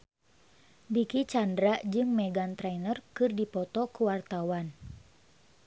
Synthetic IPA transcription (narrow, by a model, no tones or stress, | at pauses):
dikit͡ʃandɾaʔd͡ʒɨŋmɛɡant̪ɾɛnərkɨrdipɔt̪ɔkuwart̪awan